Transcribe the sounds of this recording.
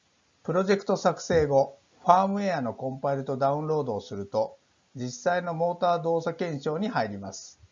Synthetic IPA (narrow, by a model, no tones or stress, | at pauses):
pɯ̟ɾo̞ʑe̞kɯ̟̥t̪o̞sakɯ̟̥se̞ːɡo̞ | ɸaːmɯ̟eano̞kõ̞mpaiɾɯ̟t̪o̞d̪aɯ̟̃nɾo̞ːd̪o̞ːsɨɾɯ̟t̪o̞ | d͡ʑisːaino̞mo̞ːt̪aːd̪o̞ːsakẽ̞ɕo̞ːɲ̟ihaiɾʲimasɨ̥